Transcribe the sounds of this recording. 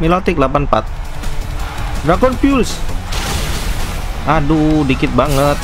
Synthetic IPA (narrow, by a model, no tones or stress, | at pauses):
milɔt̪ɪklapanpa̰t̪̚ | ɾakɔnpiuls | ʔadudikɪt̪̚baŋət̪̚